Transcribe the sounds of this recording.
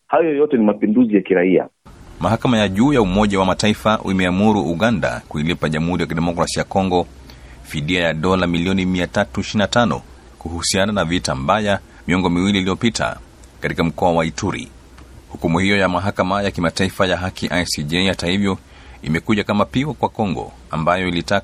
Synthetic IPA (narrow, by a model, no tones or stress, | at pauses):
hajɔjɔtɛnimapinduzijakiɾahia̰ | maɦakamajaʄuːjaumɔʄawamataifaʔḭmɛamuɾuʔuɠanda̰kuilipaʄam̩huɾijakiɗɛmɔkɾasiajakɔŋɡɔ | fiɗiajaɗɔlamiliɔnimiatatuiʃinatanɔ̰ | kuhusiananavitambaja | miɔŋɡɔmiwiliːlijɔpitʰa̰ | katikam̩kɔawaituɾḭ | hukumuhijɔjamaɦakamajakimataifajaɦakiʔajsiʄɛhatahivjɔ | imɛkuʄakamapiwakwakɔŋɡɔ̰ | ambajɔilita